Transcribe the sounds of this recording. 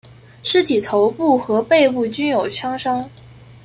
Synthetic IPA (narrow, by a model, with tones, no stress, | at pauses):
ʂɻ̩˥t̪ʰi˨˩t̪ʰo˧˥ʊpu˥˩xɤ˧˥pe˥˧ɪpu˥˩t͡ɕy˥njo˨˩ʊt͡ɕʰjɑ˥ŋʂɑ˥ŋ